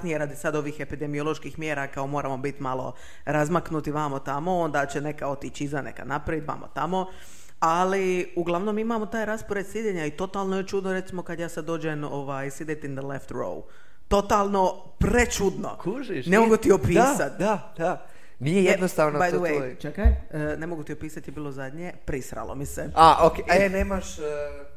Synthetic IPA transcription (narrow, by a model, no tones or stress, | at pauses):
nijeɾad̪isad̪o̞ʋixe̞pid̪e̞mio̞lˠo̞ʃkiːxmje̞ːɾakao̞mo̞ːɾamo̞bit̪malˠo̞̰ | ɾazmaknut̪iʋamot̪amo̞o̞nd̪at͡ɕene̞kao̞t̪it͡ɕizane̞̰ka̰napɾaʋit̪ʋa̰ːmo̰t̪amo̞ | aliuɡlˠaʋnomimamo̞t̪aːjɾaspoɾet̪sid̪ʲeɲait̪o̞t̪aːlˠnojet͡ʃud̪noɾe̞t̪simo̞kad̪jaːsad̪ːo̞ːd͡ʑeno̞ʋajsid̪et̪ind̪əleft̪ɾo̰w | t̪o̞t̪alˠno̞ | pɾe̞t͡ʃud̪no̞̰kuʒiʃnemoɡut̪iopiːasat̪d̪ad̪̥a | nijejed̪nost̪aːʋnobajd̪əwejt͡ʃekajne̞moɡut̪iopiːsat̪jebiːlˠozad̪ɲepɾisɾa̰lo̰miseaokeeneːmaʃ